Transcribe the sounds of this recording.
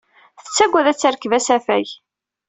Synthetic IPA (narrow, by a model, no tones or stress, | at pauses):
θə̥t͡sːæɡʷːæðæt͡sːəɾkvæsæfæj